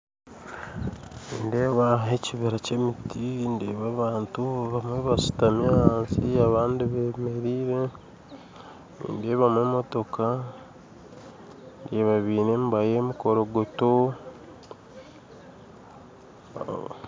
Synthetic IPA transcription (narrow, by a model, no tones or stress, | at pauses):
niːndeːβaɦe̞ciβiɾace̞mitʰindeβaβaːntuβamweβasu̥tamjaansiaβaːndiβeme̞ɾiːɾe | nḭːndeβamwemo̞to̞ka | ndeβaβiːnembajeːmiko̞ɾoɡoto